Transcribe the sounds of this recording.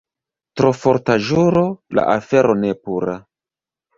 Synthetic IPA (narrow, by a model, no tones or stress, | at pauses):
tɾo̞foɾtaʒuɾola̰ʔafe̞ɾo̞nepuɾa